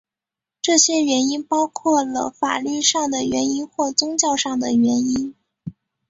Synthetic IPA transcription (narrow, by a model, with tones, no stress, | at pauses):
ʈ͡ʂɤ˥˩ɕjɛ˥ɥɛ˧˥ni˥npɑ˥ʊkʰwɔ˥˩lə̰˩fa̰˨˩ly˥˧ʂɑ˥˩ŋd̪ə˩ɥɛ˧˥ni˥nxwɔ˥˩t͡sʊ˥ŋt͡ɕjɑ˥˧ʊʂɑ˥˩ŋd̪ə˩ɥɛ˧˥ni˥n